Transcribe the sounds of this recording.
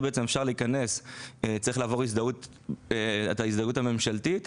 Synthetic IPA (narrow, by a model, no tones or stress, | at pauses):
beet͡se̞mefʃaʁliːkane̞set͡saʁiχlaːvo̞ʁis̬d̪aut | etaisd̪aɡutamemʃaltit